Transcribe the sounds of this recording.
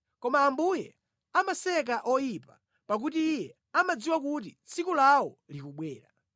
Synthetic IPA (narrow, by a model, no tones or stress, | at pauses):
kɔmaːmbujɛ | amasɛk̬aʔɔjipa | pak̬ut̬iːjɛ | amad͡ziwak̬utit͡sʰikulawɔlikuɓwɛːɾa̰